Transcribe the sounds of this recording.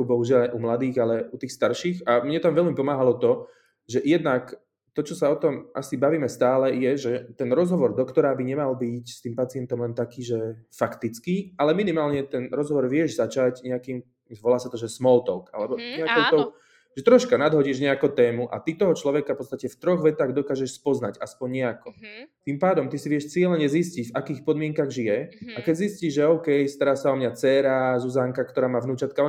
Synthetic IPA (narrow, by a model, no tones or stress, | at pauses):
ubɔɦuʒɪalaʔumlad̪iːɣalɛut̪iːxst̪aɾʃiːɣamɲɛt̪amʋɛʎmipɔmaːɦalɔt̪ɔ | ʒɛjɛd̪nak | t̪ɔt͡ʃɔsaɔt̪ɔmʔa̰sibaʋiːmɛst̪aːlɛjɛʒɛt̪ɛnɾɔzɦɔʋɔɾd̪ɔkt̪ɔɾaːbiɲɛmalbicst̪iːmpat͡sɪɛnt̪ɔmlɛnt̪akiːʒɛfakt̪it͡skiʔalɛminimaːlɲɛt̪ɛnɾɔzɦɔʋɔɾʋɪɛʒzat͡ʃaɟɲɛakiːm | zʋɔlaːsat̪ɔʒɛsmɔlt̪ɔʊka̰lɛbɔɲɛakɔʊt̪ɔʊ | ʒɛt̪ɾɔʃkanad̪ɦɔɟiʒɲɛakɔt̪ɛːmuʔa̰t̪it̪ɔɦɔt͡ʃlɔʋɛkafpɔt͡st̪acɛft̪ɾɔɣʋɛt̪aːɣd̪ɔkaːʒɛʃspɔznaɟaspɔɲɲɛakɔt̪impaːd̪ɔmt̪isiʋɪɛʃt͡sɪɛlɛɲɛziscicfakiːxpɔd̪mɪɛŋkaɣʒijɛakɛɟzisciːʒʒɛɔʊkɛjst̪aɾaːsaɔmɲat͡sɛɾazuzaːŋkakt̪ɔɾaːmaːvnuːt͡ʃat̪kaɛ